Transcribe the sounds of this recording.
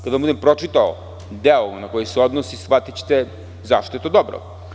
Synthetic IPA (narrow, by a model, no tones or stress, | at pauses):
kad̪amud̪ɛmpɾɔt͡ʃit̪aɔ̰ | d̪ɛlˠɔnakɔisɛɔd̪nosisfvat̪it͡ʃt̪ɛ | zaʃt̪it̪od̪ɔbɾɔ̰